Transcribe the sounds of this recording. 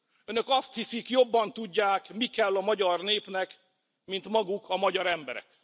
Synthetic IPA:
ønø̞kɒst̪hisikjo̞bːɒnt̪uɟːaːkmikɛlːɒmɒɟɒrneːpnɛk | mint̪mɒɡukʰɒmɒɟɒɾɛmbɛɾɛ̰k

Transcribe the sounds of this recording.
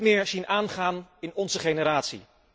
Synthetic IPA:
mɪːɹz̥inʔaːnχaːnɪnɔnzəχejnəɾaːtsḭ

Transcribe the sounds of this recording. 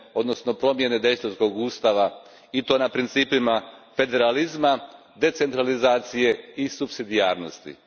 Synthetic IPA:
o̞d̪no̞sno̞pɾo̞mje̞ne̞d̪e̞jst̪osko̞ɡuːst̪aʋa | it̪o̞ːnapɾint̪siːpimafe̞d̪e̞ɾalizma | d̪e̞t̪se̞nt̪ɾalizaːt̪sije̞isupsid̪ijaːɾno̞̰st̪ḭ

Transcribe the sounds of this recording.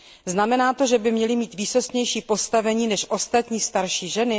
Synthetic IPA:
znamɛnaːt̪o̞ʒɛbɪmɲɛlɪmiːt̪viːsost̪ɲɛjʃiːpo̞st̪avɛɲiːnɛʃʔo̞st̪at̪ɲiːst̪aɾʃiːʒɛnɪ

